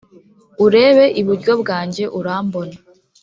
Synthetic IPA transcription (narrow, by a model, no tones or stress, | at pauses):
uɾe̞ːβe̞ʔiβuɾɟo̞bɡaːɲɟe̞ʔuɾaːmbo̞na